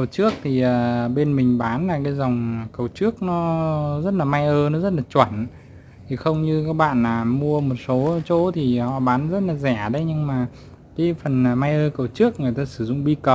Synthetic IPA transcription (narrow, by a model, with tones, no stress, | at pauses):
ə˨˩wt͡ɕɨ˦˥ək̚t̪ʰi˨˩ʔəː˨˩ɓe˧nmï˨˩ŋ̟ɓaː˨˦nlaː˨˩kaː˨˦jza˨˩wŋ͡mkə˨˩wt͡ɕɨ˦˥ək̚nɔ˨˦zə˦˥t̚laː˨˩ma˧jʔəː˧nɔ˨˦zə˦˥t̚laː˨˩t͡ɕwə˧˩nʔ | t̪ʰi˨˩xə˧wŋ͡mɲɨ˧kaː˦˥k̚ɓa̰ː˧˨nlaː˨˩mu˧əmo˨˩t̚so˨˦t͡ɕo˨˦t̪ʰi˨˩hɔ̰˧˨ɓaː˨˦nzə˦˥t̚laː˨˩zɛ˧˩ɗə˨˦jɲɨ˧ŋmaː˨˩ | ka˨˦fə˨˩nː˨˩ma˧jʔəː˧kə˨˩wt͡ɕɨ˦˥ək̚ŋɨ˨˩əjt̪aː˧sɨ˧˩zʊ̰˧˨ŋ͡mɓi˧kə˨˩w